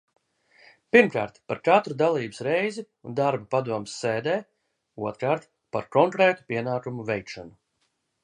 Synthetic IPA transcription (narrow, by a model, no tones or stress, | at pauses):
piɾmkaːɾt̪paɾkat̪ɾud̪alˠiːbɨ̥sɾejzi | und̪aɾbapad̪uɔmsːeːd̪ɛː | uɔt̪ɾaːɾt̪ | paɾkɔŋkɾeːt̪u̥pʲiɛnaːkumuvɛjkʃanu